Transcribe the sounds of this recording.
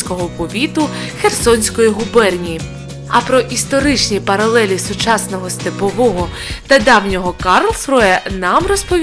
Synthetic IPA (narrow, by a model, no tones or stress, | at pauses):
kɔɦɔpɔʋʲit̪ʊxersɔnʲsʲkɔjiɦʊbɛrnʲiji | ɐpɾɔʔist̪ɔɾɪt͡ʃnʲipɐɾɐlˠɛlʲisʊt͡ʃɑsnɔɦɔst̪epɔʋɔɦɔ | t̪ɐd̪ɑwnʲɔɦɔkɑrlˠsɾɔjɛnɑmrɔspɔʋʲ